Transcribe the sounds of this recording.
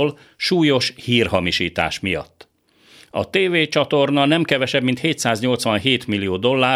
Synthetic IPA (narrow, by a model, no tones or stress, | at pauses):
l | ʃuːjo̞ʃhiːrhɦɒmiʃiːt̪a̰ːʃmijɒ̰t̪ː | ɒ̰t̪eːveːt͡ʃɒt̪o̞rnɒnɛmkɛvɛʃɛbmint̪heːt̪saːzɲo̞lt̪sʋɒnɦeːt̪milːijoːd̪o̞lːaː